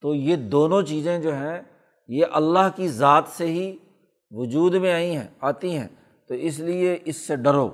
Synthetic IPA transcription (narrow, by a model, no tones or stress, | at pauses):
t̪oːjeːd̪oːnõt͡ʃiːzẽd͡ʒoːɦɛ̃ | jeʔɐlːaɦkizaːt̪seɦi | ʋʊd͡ʒuːd̪mẽaːĩɦɛ̰̃aːt̪iɦɛ̰̃ː | t̪oːɪs̬lieʔɪsːeɖɐɾo̰ː